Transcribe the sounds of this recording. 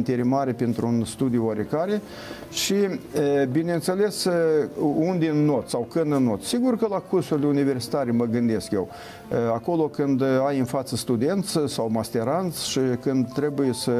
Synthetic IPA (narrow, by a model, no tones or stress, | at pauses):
nt̪eɾemaɾepent̪ɾuunst̪ud̪iuaɾekaɾe̞ | ʃiəbinent̪se̞le̞s | und̪eɨnːo̞t̪sawkɨnd̪ɨnːot̪ssiɡurkəlakursulunive̞rsi̥t̪aɾeməɡɨnd̪e̞skje̞w | ako̞lo̞kɨnd̪ajɨnfat̪səst̪ud̪e̞nt̪sʲsawmast̪e̞ɾant̪sʲʃikɨnd̪̚t̪ɾe̞buje̞sə